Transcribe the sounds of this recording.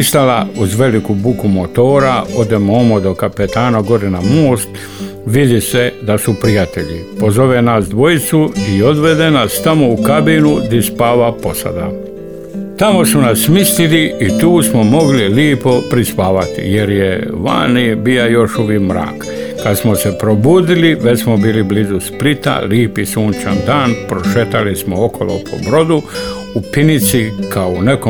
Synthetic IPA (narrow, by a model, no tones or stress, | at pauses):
ist̪alauzʋe̞likubukumot̪o̞ːɾaod̪emoːmod̪o̞kapet̪aːnaɡo̞ɾenamoːst̪ | ʋid̪ise̞d̪asupɾijat̪e̞ʎḭpo̞zo̞ʋenasd̪ʋo̞jit̪suio̞d̪ʋe̞d̪enast̪amo̞ukabinud̪ispaːʋapo̞sa̰d̪a̰ | t̪amo̞sunasːmist̪iliit̪uːsmo̞mo̞ɡliliːpo̞pɾispaːʋat̪ḭje̞ɾjeʋa̰ːnibiːajo̞ʃuʋikmɾa̰ːk | kad̪smose̞pɾobuːd̪iliʋesmobiːliblizusplit̪a̰liːpisuːnt͡ʃand̪aːnpɾoʃet̪alismookʰolo̰pʰo̰bɾo̞d̪u | upinit̪sikʰaoneko